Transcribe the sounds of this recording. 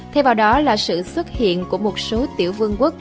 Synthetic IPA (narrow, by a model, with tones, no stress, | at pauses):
t̪ʰɛ˧wvaː˨˩wɗɔ˨˦laː˨˩sɨ̰˧˨swə˦˥t̚hḭ˧˨ənku˧˩əmo˨˩t̚so˨˦t̪ḭ˧˩əwvɨ˧əŋkwk̚